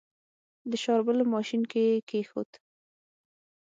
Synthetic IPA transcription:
d̪əʃɑɾbəlomɑʃinkekexo̰t̪

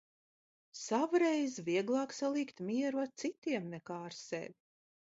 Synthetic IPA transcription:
savuɾɛjzviɛɡlˠɑːksalˠiːkt̪miɛɾuat̪sit̪iɛmnɛkaːɾsɛ̰vʲi

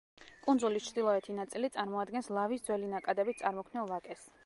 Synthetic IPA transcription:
kʼund̪zulist͡ʃʰd̪ilˠɔɛt̪ʰinat̪sʼilit̪sʼaɾmɔad̪̚ɡɛnslˠavisd̪zwɛlinakʼad̪ɛbit̪̚ʰtsʼaɾmɔkʰnɛlˠvakʼɛs

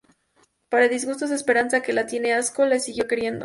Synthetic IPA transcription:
paɾaeðizɣust̪o̞zðespe̞ɾansake̞lat̪je̞ne̞asko̞lesiɣjo̞ke̞ɾje̞nd̪o

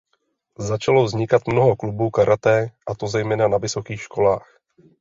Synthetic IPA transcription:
zat͡ʃalo̞vzɲɪkat̪mno̞ɦo̞klubuːkaɾʔat̪ɛːʔat̪o̞zɛjmɛːnanavɪso̞kiːxʃko̞laːx

